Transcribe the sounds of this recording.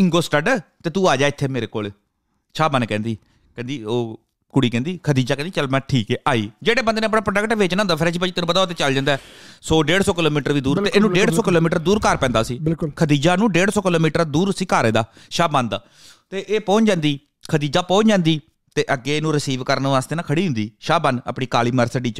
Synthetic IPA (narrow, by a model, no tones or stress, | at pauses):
ɪŋɡoːsʈəɖt̪eːt̪ũːaːd͡ʒaːɪt̪ʰːeːmeːɾeːko̰ːl | ʃaːbãːneːkɛ̃ːnd̪iː | kɛ̃ːnd̪iːoː | kʊɽiːkɛ̃ːnd̪iːkʰəd̪iːd͡ʒaːkɛ̃ːd̪iːt͡ʃəlmɛ̃ːʈʰiːkɛːʔaːiːd͡ʒeːɽeːbənd̪eːnẽəp̬nãːpɾəɖəkʈʋeːt͡ʃnãːnd̪aːpʰɪɾʃipəd͡ʒit̪eːnũpət̪aːot̪eːt͡ʃəld͡ʒãːnd̪aɛːsoːɖeːɽsoːkɪloːmiːʈəɾʋiːd̪uːɾt̪eːeːnũːɖeːɽsoːkɪloːmiːʈəɾd̪uːɾkaɾpɛ̃ːnd̪aːsiːɪlklkʰəd̪iːd͡ʒaːnũːɖeːɽsoːkɪloːmiːʈəɾd̪uːɾsiːkaːɾeːd̪aː | ʃaːbãːnd̪aː | t̪eːʔeːpɔ̃ːɲd͡ʒãːnd̪iː | kʰəd̪iːd͡ʒaːpɔ̃ːt͡ʃd͡ʒãːnd̪iː | t̪eːʔəɡːeːnũːɾɪsiːʋkəɾənʋaːst̪eːnaːkʰəɽiːɦʊ̃nd̪iːʃaːbanə̰pɳiːkaːliːməɾsəɖiːt͡ʃ